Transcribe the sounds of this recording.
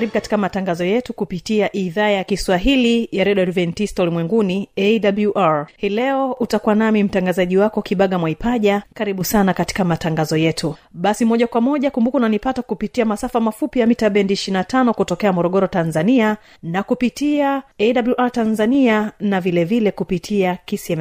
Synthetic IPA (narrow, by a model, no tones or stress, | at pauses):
ɾiɓukati̥kamataŋɡazɔjɛtukupitiaʔiðaːjakiswaɦilijaɾɛɗɔɾvɛntistɔulimwɛŋɡuniɛdabluʔaɹhilɛɔutakuwanamim̩taŋɡazaʄiwakɔkiɓaɠamwaipaʄakaɾiɓusanakati̥kamataŋɡazɔjɛtʰuɓasimɔʄakwamɔʄakumbukunanipatakupitiamasafamafupijamitaɓɛndiːʃinatanɔkutɔkɛamɔɾɔɠɔɾɔtanzania | nakupitiaɛɗabluʔaɾtanzanianavilɛvilɛkupitʰiakisiɛm